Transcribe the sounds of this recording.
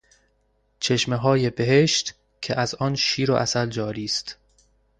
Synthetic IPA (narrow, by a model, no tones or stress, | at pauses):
t͡ʃʰe̞ʃmeɦɒːje̞be̞ɦeʃt̪ | cʰeʔæzɒːnʃiːɾoʔæsæld͡ʒɒːɾiːst̪